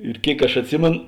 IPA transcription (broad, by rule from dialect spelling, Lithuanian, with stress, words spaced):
ɪr ˈkʲeːɪk ɐʃ ɐtʲˈsʲɪmʲeːn